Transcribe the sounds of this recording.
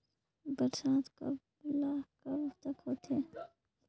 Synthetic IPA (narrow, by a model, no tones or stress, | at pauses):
bəɾsaːt̪kɐ̰b | laːkɐbt̪ɐkɦoːt̪ʰeː